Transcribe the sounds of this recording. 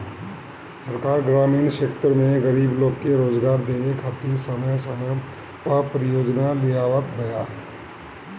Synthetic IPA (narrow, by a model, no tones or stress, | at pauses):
səɾkaːɾɡɾaːmiːnʃeːkt̪ɾmẽɣəɾiːbloːɡkeɾoːd͡ʒɡaːɾd̪eːnekʰaːt̪iːɾsəməjsəməj | apɾɪjoːd͡ʒnalɪjaːʋət̪bəjaː